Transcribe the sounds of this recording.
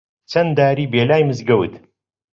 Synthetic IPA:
t͡ʃʰɐnd̪aːɾiːbeːlaːjmɨzɡɐwt̪

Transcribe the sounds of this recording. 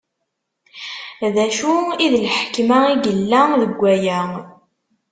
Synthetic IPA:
ðæʃuiðlħkmæiɡəlːæðəɡʷːæjæ

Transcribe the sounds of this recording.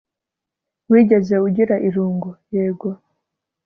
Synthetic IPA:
wiːɟe̞ze̞uɟiɾaʔiɾuːŋɡojeːɡwa

